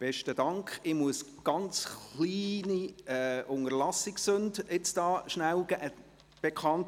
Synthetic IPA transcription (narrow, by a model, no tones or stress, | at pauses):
b̥ɛʃtəd̥ɑŋkχɪmuəsɡ̥ɑnt͡sχliːniɛʔʊŋəlɑsɪksɵndɪt͡sd̥ɑːʃnæwɡ̥æʔə | b̥ɛkʰɑnt